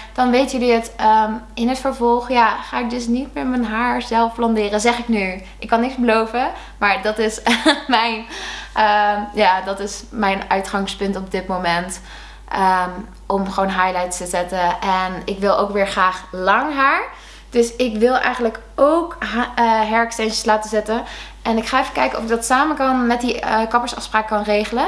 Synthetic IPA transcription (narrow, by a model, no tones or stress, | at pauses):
d̥ɑnʋejtəjəliətəɪnɦətfəɹvɔlˠχjaːχaːɪk̚dɵs̬nitmɛmənɦaːɹzɛlˠfplɑndɪːrəzɛχɪkny | ɪkːɑnːɪkzbəlowvə | maːɹdɑtɪsmɛjnəjaːdɑtɪsmɛjnœɥtχɑŋspɵntɔp̚dɪtmowmɛnt | ʔə | ʔɔmχəʋoːwnɦajlajttəzɛtəɛnɪkʋɪlˠʔowkʋɪːɹχraːχlɑŋɦaːɹ | d̥ɵsɪkʋɪlˠɛ̰jχənlək | owkː | ɦɛɹkstɛnt͡ʃəslaːtəzɛtən | ʔɛnɪkχaːɛfəkɛjkənɔ̰fɪɡ̚dɑtsaːməkɑnmɛt̚diəkɑpəɹsɑfspraːkkɑnrejχələ